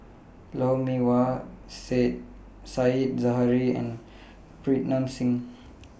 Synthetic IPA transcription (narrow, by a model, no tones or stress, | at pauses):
lawmiwaset̚ | sait̚zaɦaɾiɛ̰n | pɾit̚namsiŋ